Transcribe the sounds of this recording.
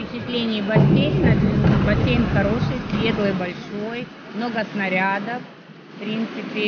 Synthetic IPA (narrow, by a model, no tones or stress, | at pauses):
pʲɪt͡ɕɪt̪lʲenʲɪjːbɐsʲejnʲnɐbɐsʲejnxɐɾo̞ʂɨjsʲɾʲed̪əjbɐlʲʂo̞j | mnoɡəsnɐɾʲad̪əf | fpɾʲint̪sɨpʲɪ